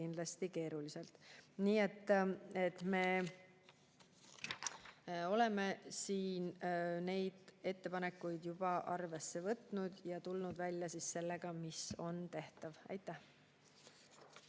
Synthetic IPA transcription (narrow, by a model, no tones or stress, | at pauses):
ind̪lɑst̪ike̞ːɾulise̞lt̪niːe̞t̪ːe̞t̪me̞ː | o̞le̞me̞siːnne̞jd̪̥e̞t̪ːe̞pɑne̞kːˑujd̪̥jub̥ɑʔɑrve̞sːe̞vɤt̪nud̪jɑt̪ulnud̪vælʲjɑsisse̞lːe̞ɡ̥ɑmiso̞nt̪e̞ht̪ɑvɑ̰jt̪ːˑæh